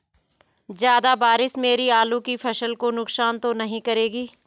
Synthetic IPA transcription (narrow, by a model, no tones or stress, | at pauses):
zjaːd̪abaːɾɪsmeːɾiaːlũkipʰɐʃəlkonʊksaːnt̪onɐɦĩkɐɾeːɡiː